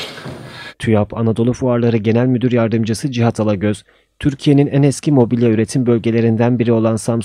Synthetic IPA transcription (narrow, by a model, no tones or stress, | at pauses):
t̪ʰyjapʰanad̪o̞lˠufuaɾlˠaɾɯɟe̞nælʲmyd̪yɾjaɾd̪ɯmd͡ʒɯsɯd͡ʒiɦat̪ʰalˠaɟøz̥ | t̪ʰyɾcʰije̞ninænɛscʰimo̞bilʲjayɾe̞t̪ʰimbølʲɟe̞lʲe̞ɾind̪ænbiɾio̞lˠansams